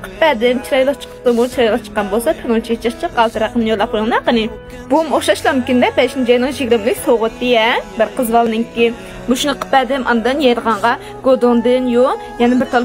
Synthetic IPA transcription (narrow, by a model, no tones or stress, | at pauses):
qʰə̥pːɛd̪ɪmt͡ʃʰiɾɑjlˠɨχt͡ʃʰqʰə̥pt̪ɨmut͡ʃʰiɾɑjlˠɨχt͡ʃʰqːɑnbolˠsɑt̪ʰenot͡ʃʰiet͡ʃʰəχt͡ʃʰəqːɑlˠt̪ʰɨɾɑqənnjolˠɑp̚qʰojŋnɑqənɨ | b̥umoχʃɑʃlˠɑnkʲind̪ɛbɛʃnɪd͡ʒɑjnɨŋʒiɡʲɾɪmlykʲsoʁʊt̪ːɪjɛbɪɾqʰəzwɑlˠnɪŋkʲi | buʃunɨqʰə̥pːɛd̪ɪmʔɑnɨd̪ɨnjɛjɾəʁɑɴʁɑ | ɡ̥od̪ond̪ɨnjo | jɛnɪbɪɾt̪ʰɑlˠ